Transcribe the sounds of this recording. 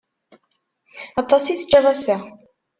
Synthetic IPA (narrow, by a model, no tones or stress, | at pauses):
ɑt̪ˤːɑsiθt͡ʃːəʁˤæsæ